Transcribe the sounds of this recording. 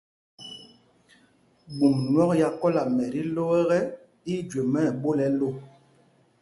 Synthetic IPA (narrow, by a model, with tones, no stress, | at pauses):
ɡ͡bu˨mnwɔ˦k̚ja˦kɔ˦la˨mɛ˨ɾi˦lo˦ɛ˦ɣɛ˦ | i˦d͡ʒe˨mɛ˦˨ɓo˦lɛ˨lo˦˨